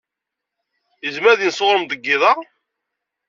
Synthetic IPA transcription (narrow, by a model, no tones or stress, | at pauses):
əzmæðinsoʁɾəmd̪əɡːɪðˤɑ